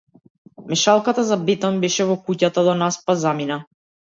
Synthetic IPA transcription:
mɛʃalˠkat̪azabɛt̪anbɛʃɛvɔkucat̪ad̪ɔnaspazamina

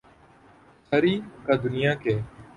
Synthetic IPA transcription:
sʰəɾiːkaːd̪ʊnɪjãːkeː

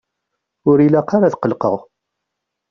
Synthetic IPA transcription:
ʊɾilaqaɾaθqəlqə̰ʁ

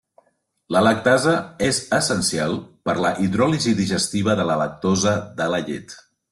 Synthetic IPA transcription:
lələk̚t̪azəezəsənsialˠpəɾləʔiðɾɔliziðiʒəst̪iβ̞əðələlək̚t̪ozəðələʎḛt̪

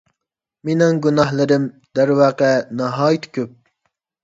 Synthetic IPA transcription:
menɪŋɡunɑhlˠɨɾɪm | d̪æɾwɑːqɛnɑɦɑːjit̪kʲʰøp̚

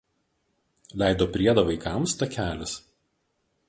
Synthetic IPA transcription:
lʲæˑɪd̪oːpʲɾʲiɛd̪ɐʋɐɪkɑˑmst̪ɐkʲæːlʲɪs

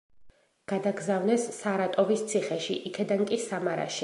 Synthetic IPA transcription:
ɡ̥ad̪aɡzavnɛsːaɾat̪ʼɔvist̪sʰiχɛʃiʔikʰɛd̪ankʼisamaɾa̰ʃi

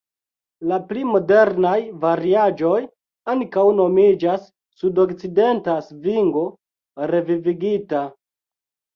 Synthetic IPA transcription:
laplimo̞de̞ɾnajvaɾiad͡ʒo̞j | aŋkawno̞mid͡ʒasː | udo̞kt͡side̞ntasviŋɡo̞ | ɾe̞viviɡita

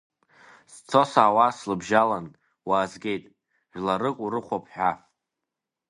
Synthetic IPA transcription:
st͡sʰo̞saːwaslɨbʒalan | waːzɡʲe̞jtʼ | ʒʷᶣlaɾɨkʷʼuɾɨχʷapʰħᶣaf

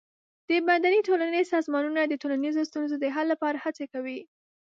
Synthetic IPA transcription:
d̪̥əbad̪anitolanəsɑzmɑnunad̪ətolanizost̪unzod̪əɦalːapɑɾahat͡sekawi

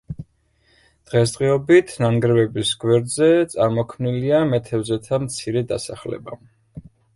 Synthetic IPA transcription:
d̪̥ʁɛs̬t̪ʼʁʼiɔbit̪ʰnaŋɡɾɛvɛbisɡwɛɾd̪zɛt̪sʼaɾmɔkʰmniliamɛt̪ʰɛvzɛt̪ʰamt̪sʰiɾɛd̪a̰saχlɛ̰ba

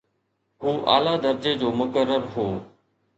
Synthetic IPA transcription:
ɦuːʔa̰ːlaːd̪əɾd͡ʒeːd͡ʑoːmʊkəɾːəɾɦoː

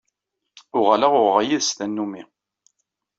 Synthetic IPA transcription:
ʊʁalaʁʊʁʁajiðst̪ænːumi

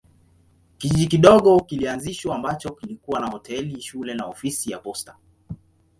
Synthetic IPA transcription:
kiʄiɗikiɗɔɠɔkilianziʃwaːmbat͡ʃɔkilikuwanahɔtʰɛliʃulɛnaɔfisijapɔstḁ

